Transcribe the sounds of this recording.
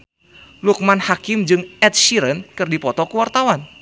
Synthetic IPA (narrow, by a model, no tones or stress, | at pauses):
luk̚manhakɪmd͡ʒɨŋɛt̪̚ʃiɾənkɨrdipɔt̪ɔkuwart̪awan